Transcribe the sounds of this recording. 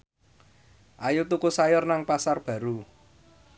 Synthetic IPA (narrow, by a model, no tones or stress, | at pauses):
ʔajut̪ukusajɔrnaŋpasarb̥ä̤ɾu